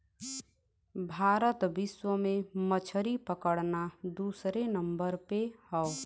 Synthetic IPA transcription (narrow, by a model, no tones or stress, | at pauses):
bʱaːɾət̪bɪswəmẽmət͡ʃʰəɾipəkəɽnad̪uːsɾenəmbəɾpehɔʊ